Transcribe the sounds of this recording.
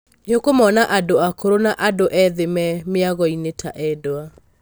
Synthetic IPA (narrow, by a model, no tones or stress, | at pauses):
jokomɔnaʔadoakoɾonaʔadoʔɛðemɛmeaɣɔinetʰa̰ʔɛdoa